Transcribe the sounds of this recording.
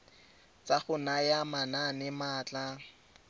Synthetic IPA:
t͡sʼaχʊnajamananɪmaːt͡ɬʼa

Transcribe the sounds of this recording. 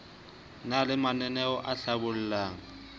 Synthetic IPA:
nalɪmanɛnɛɔʔaɬabʊl̩laːŋ̩

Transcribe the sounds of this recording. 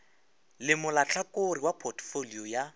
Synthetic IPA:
lɪmʊlat͡ɬʰakoriwapʰɔrtʰfoliɔja

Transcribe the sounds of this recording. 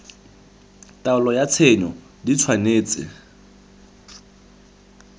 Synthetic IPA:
tʼaʊlɔjat͡sʰenɔ | dit͡sʰwaneːt͡sʼɪ̰

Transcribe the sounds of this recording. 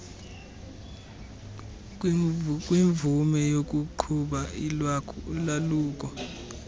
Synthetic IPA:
k̬ʼwiɱbvumɛjok̬ʼuǃʰuɓailwakʰuulaluːk̬ʼɔ

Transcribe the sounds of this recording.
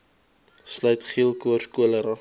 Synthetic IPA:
slœɥtχiəlˠkuərskuələɾɑ

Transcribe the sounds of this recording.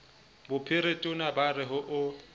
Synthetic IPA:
bʊpʰɪɾetʼʊnabarɪɦʊʔʊ

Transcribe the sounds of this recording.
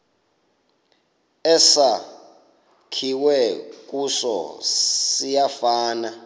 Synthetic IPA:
ɛsa | kʰiwɛk̬ʼusɔ̰ | sijafaːna

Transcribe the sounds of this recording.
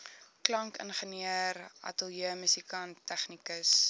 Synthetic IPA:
klɐŋkə̰nχəniərɐ̰təlˠjiəmysikɐntːæχnikəs

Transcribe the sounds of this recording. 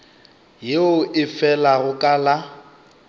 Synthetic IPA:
jeʊʔɪfɛlaɣʊkʼala

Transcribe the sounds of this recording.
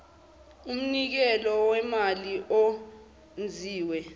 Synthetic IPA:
um̩nik̬ɛlɔwɛmaliʔo | nd͡zʱiːwɛ

